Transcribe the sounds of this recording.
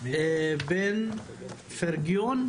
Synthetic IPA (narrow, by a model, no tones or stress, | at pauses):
ben | fɛɾɡijon